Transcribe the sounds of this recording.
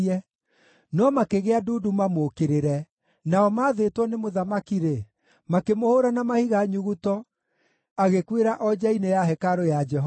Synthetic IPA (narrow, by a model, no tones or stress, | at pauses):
ɛ | nɔmakeɣeaduːdumamokeɾeɾɛ | naɔmaːðetwɔnemoðamakiɾe | makemohoɾanamahiɣaɲuɣutɔ | aɣekweɾaʔɔd͡ʒainejaɦɛkaɾojad͡ʒɛɦɔ